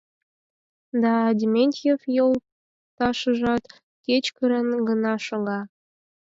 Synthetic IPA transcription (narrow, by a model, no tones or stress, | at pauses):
d̪ɑdʲimʲenʲt̪ʲefjolˠ | t̪ɑʃəʒɑt̪ | ket͡ɕkəɾə̆nɡə̆nɑʃɤ̆lɑ